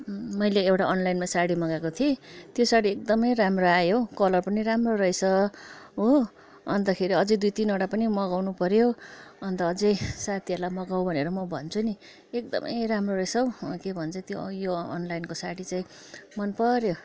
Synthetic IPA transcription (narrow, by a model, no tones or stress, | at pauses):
mʌjleːwʈaʌnlajnmasaɽimʌɡakot̪ʰiet̪josaɽiek̚d̪ʌmʌjramroajokʌlʌrpʌniɾamrorʌjsʌɦo | ʌnt̪ʌkʰeɾiʌd͡zʌjd̪ujt̪inoʈapʌnimʌɡawnupʌɾjoʌnt̪ʌːd͡zʌjsat̪ʰiʌlamʌɡawbʱʌneɾʌmʌbʱʌnt͡sʰuni | ek̚d̪ʌ̰mʌ̰jramrorʌjsʌwkebʱʌnt͡sʰʌt̪jojoʌnlajnkosaɽit͡saĩ | mʌnpʌɾjo